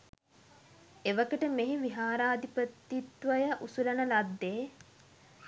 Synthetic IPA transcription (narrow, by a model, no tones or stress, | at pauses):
eʋəkəʈəmeɦiʋiɦaːɾaːd̪ipət̪ːit̪ʋəjəʔusulɐnəlad̪ːeː